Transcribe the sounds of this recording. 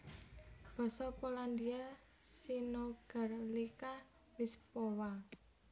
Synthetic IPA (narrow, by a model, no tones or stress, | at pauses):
b̥ɔ̤sɔpoland̪ia | sinoɡ̥arlika | wispowa